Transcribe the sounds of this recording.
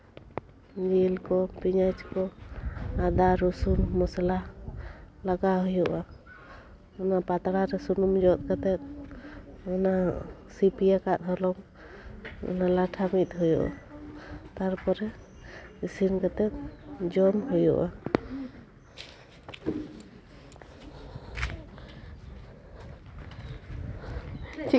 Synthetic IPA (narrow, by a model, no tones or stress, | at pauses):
d͡ʒilkɔpiɲad͡ʒkɔ | ad̪aɾusunmɔsala | laɡaɦujuʔa | ɔnapat̪aɽaɾɛsunumd͡ʒɔt̪̚kat̪ɛt̪̚ | ɔnasipijakat̪̚ɦɔlɔŋ | ɔ̰nalaʈʰamit̪̚ˀɦujɔʔa̰ | t̪aɾpɔɾɛ | isinkat̪ɛt̪̚d͡ʒɔmɦujɔ̰ʔʔa